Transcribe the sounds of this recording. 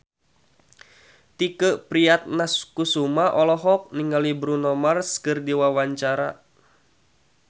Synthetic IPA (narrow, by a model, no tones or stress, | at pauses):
t̪ikəʔpɾiat̪̚naskusumaʔɔlɔɦɔk̚niŋɡalibɾunɔmarskɨrdiwawaɲt͡ʃaɾa